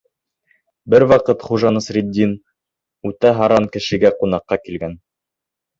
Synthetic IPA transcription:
bɘɾwɑqɤt̪χuʒɑnɤsɾʲid̪ʲːin | ʉt̪æɦɑɾɑnkɘ̆ʃɘ̆ɡæqunɑqːɑkilɡæn

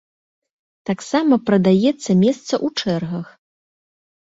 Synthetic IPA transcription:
t̪aksamɐpɾɐd̪ajɛt̪sːɐmʲɛst̪sɐʔut͡ʂɛrɣɐx

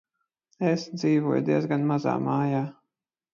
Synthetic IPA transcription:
esd̪ziːvuɔjd̪iɛzɡanmaza̰ːmaːjaː

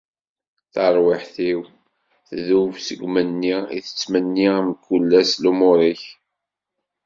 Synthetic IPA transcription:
θəɾˤwɪħθiw | θðuvsəɡʷmənːiḭθə̥t͡sːmənːimkːulːæslumʊɾˤiç

